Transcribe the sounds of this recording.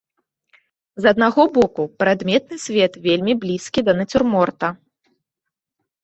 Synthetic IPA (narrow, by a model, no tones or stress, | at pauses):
zɐd̪̚naɣɔbɔkupɾad̪mʲɛt̪̚nɨsʲvʲɛt̪vʲelʲmʲiblʲiskʲid̪ɐnɐt͡sʲurmɔrt̪ɐ